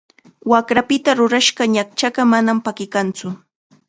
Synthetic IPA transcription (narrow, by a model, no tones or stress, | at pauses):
wakɾapɪt̪aɾʊɾaʃɢɑɲak̚t͡ʃaɢɑmanampakɪkant͡sʊ